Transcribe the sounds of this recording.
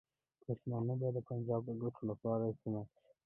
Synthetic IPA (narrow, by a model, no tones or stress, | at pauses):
poʃmɑnabɑd̪əpand͡ʒɑb̚d̪əɡʊʈʰolapɑɾasima | i